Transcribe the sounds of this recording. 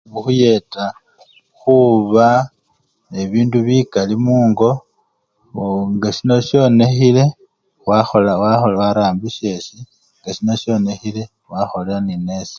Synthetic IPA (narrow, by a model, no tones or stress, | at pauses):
ɡuxuje̞ta | xuβa | e̞βiːnduβikalimuːŋɡo̞ | ŋɡaʃino̞ʃjo̞ne̞xile̞ | waxolawaxolwaɾaːmbiʃe̞si | ŋɡaʃino̞ʃjo̞ne̞xile̞ | waxo̞leanine̞si̥